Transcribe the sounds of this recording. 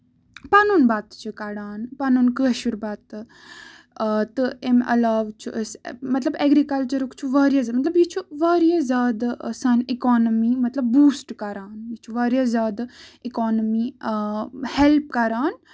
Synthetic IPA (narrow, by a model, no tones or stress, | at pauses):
pɐnunbat̪t͡ʃʰukɐɽaːnpɐnunkəʃuɾbaːt̪ | t̪ɨemɐ̰laːʋt͡ʃʰuʔəsmɐt̪lɐbɛɡɾikɐlt͡ʃɐɾukt͡ʃʰuʋaːɾijɐzmɐt̪lɐbjit͡ʃʰuʋaːɾijɐzʲaːd̪sɐnikɔːnɐmimɐt̪lɐbːuːsʈkɐɾaːnjit͡ʃʰuʋaːɾijɐzʲaːd̪ikɔːnəmi | helpkɐɾaːn